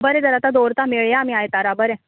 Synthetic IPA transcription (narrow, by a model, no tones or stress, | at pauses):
bəɾɛ̃d͡z̪əɾat̪ad̪oɾt̪ameɭjaːmiajt̪aɾabəɾɛ